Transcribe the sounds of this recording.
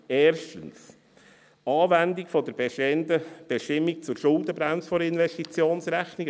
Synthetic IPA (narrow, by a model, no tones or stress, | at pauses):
ɛːɾʃtəns | ɑːvændikfɔd̪əɾbndəb̥eʃtɪmːik̚t͡sʊɾʃʊld̪əbɾæmsfɔɾɪnʋɛʃtit͡sjoːnsɾæχniɡ